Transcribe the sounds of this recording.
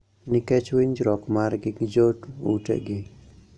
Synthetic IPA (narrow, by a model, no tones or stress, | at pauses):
nikɛt͡ʃwiɲd͡ʒɾɔkmaɾɡɪɡd͡ʒoʈṵʈḛɡɪ